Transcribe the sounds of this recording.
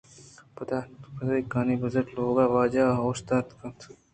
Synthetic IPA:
pɐt̪apɐt̪aikaːnibɐzɐʈloːɡaːʋaːd͡ʒaːost̪aːt̪kɐt̪ʰ

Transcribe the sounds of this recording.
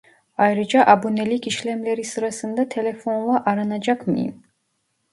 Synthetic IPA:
ajɾid͡ʒaʔabunɛlikʰiʃlɛmlɛɾisɾasɨnd̪at̪ʰɛlɛfɔnvaʔaɾanad͡ʒakʰmḭm

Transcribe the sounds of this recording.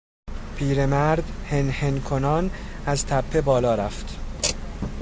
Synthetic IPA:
pʰiːɾe̞mæɾd̪henhenkʰonɒːnæzt̪ʰæpʰːe̞bɒːlɒːɾæft̪

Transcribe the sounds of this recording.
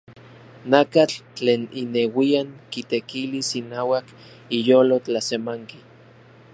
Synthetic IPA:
nakat͡ɬt͡ɬeːninewiaŋkit̪ekilisinaːwak | ijoːlot͡ɬasemaŋki

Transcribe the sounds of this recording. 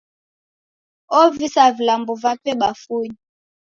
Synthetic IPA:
ɔvisavilambɔvapɛɓafuɲi

